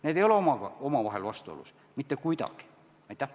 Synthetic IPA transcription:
neːt̪eijoleomɑˑkɑomɑʋɑhelʋɑst̪oo̰lṵs | mit̪ːækuit̪ɑ̰ˑki̥ | ɑit̪ːæ

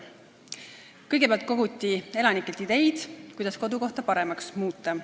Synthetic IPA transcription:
kɤjɡe̞peæɑlt̪̚ko̞ɡut̪ʲːˑie̞lɑnikːˑelt̪id̪e̞jd̪̥kujd̪ɑsko̞d̪uko̞ht̪ɑpɑɾe̞mɑksmuːt̪ːˑɑ

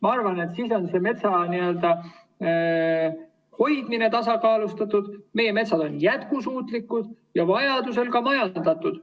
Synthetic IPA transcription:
mɑɑrvɑne̞t̪siːso̞nse̞me̞t̪sɑniø̞ld̪ɑ | ho̞jd̪mine̞t̪ɑsɑkɑːlust̪ɑt̪ːˑud̪̥me̞jeme̞t̪sɑd̪o̞njæt̪kusuːt̪likːud̪̥ | jɑvɑjɑd̪use̞lkɑmɑjɑnd̪̥ɑt̪ːˑud̪̥

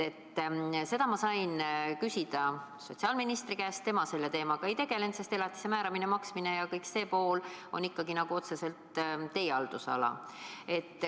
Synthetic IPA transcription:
e̞t̪ːse̞d̪ɑmɑsɑjnkysid̪̥ɑ | so̞t̪ʲsiɑːlminist̪rikæːstt̪e̞mɑse̞lːe̞t̪e̞ːmɑɡ̥ɑe̞jt̪e̞ɡ̥e̞le̞nt̪se̞st̪e̞lɑt̪ːˑi̥se̞mæːɾɑminemɑksmine̞jɑkɤjkse̞ːpo̞ːlo̞̰nikːɑɡinɑɡ̥uo̞t̪se̞se̞lt̪t̪ːe̞jeɑld̪̥usɑ̰lɑ̰e̞t̪ː

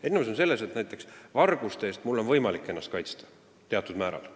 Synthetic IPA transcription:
enːems̬o̞nse̞lːese̞t̪næjt̪ːˑe̞ksvɑrɡ̥ust̪eeːst̪mulːo̞nvɤjmɑlikːˑenːɑst̪kɑjt̪st̪ɑ̥ | t̪e̞ɑt̪ːˑud̪̥mæːɾɑ̰l

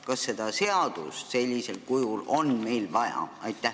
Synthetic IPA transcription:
kɑsːe̞d̪̥ɑse̞ɑd̪̥usse̞lʲːise̞lkujulo̞nme̞jlvɑjɑ̰ɑjt̪ːˑæ

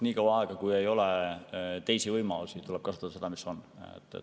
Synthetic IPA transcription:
niːkɑwɑɑeɡ̥ɑkuje̞jo̞let̪e̞jsivɤjmɑlusit̪ulɛb̥̚kɑsu̥t̪ːɑd̪̥se̞d̪̥ɑmiso̞nḛt̪ːˑḛ

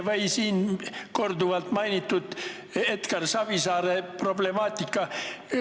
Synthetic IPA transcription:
ʋeisiːnkord̪uʋɑlt̪mɑjnit̪ːut̪ | et̪kɑrsɑb̥isɑːɾeproblemɑːt̪ʲːˑikːɑ

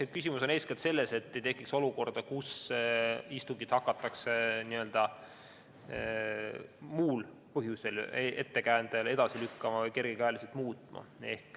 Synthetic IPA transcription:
ekysimuso̞ne̞ːskelt̪se̞lːe̞se̞t̪ːe̞jt̪e̞kːˑikso̞luko̞rd̪̥ɑkus | ist̪uŋɡid̪̥hɑkːˑɑt̪ːɑkseniø̞ld̪̥ɑ | muːl | pɤɦjuse̞lee̞̰t̪ːe̞kæːnd̪eled̪̥ɑsilykːɑmɑvɤjke̞rɡ̥ekæːliselt̪muːt̪ˑmɑ̰e̞̰hk

